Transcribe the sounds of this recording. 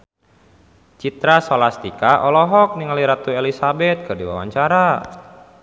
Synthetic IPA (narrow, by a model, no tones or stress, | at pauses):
t͡ʃit̪ɾasolast̪ikaʔɔlɔɦɔk̚niŋaliɾat̪uelisabɛt̪̚kərdiwa̰wa̰ɲt͡ʃaɾa